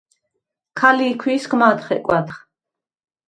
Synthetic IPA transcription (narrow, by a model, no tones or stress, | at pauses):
kʰaliːkʰwiːsɡmat̪χɛ̰kʼwat̪χ